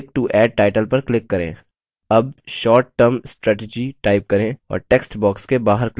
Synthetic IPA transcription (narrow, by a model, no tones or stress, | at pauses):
k̚ʈuʔɛːɖ̚ʈaːɪʈəlpɐɾklɪkːɐɾḛ̃ː | ɐb̚ʃɔːɾʈːəɾmsʈɾɛːʈed͡ʒiʈaːɪp̚kɐɾẽɔ̰ːɾʈeːksʈbɔːkskebaːɦəɾkl